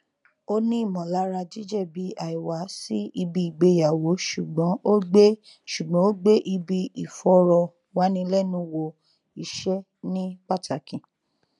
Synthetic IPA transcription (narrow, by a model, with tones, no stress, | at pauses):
o˦nĩ˦i˦˨mɔ̃˨la˨˦ɾa˧d͡ʒi˦d͡ʒɛ˦˨bi˨˦a˨i˨wa˨˦si˦i˧bi˧i˨ɡ͡be˨˧ja˨wo˨˦ʃu˨ɡ͡bɔ̃˨˦ʔo˦ɡ͡be˦ | ʃu˨ɡ͡bɔ̃˨˦o˦ɡ͡be˦ʔi˧bi˧i˨fɔ˧˦ɾɔ˧ | wa˨˦nĩ˧lɛ˦˨nũ˧˦wo˧ | i˨ʃɛ˦ | nĩ˦k͡pa˦˨ta˨kĩ˨